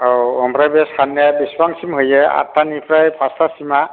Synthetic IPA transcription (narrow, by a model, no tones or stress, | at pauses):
awɔmbɾajbɛskʰanːjabisbaŋsimɦojɛa̰tʰːanipʰɾajpʰastasima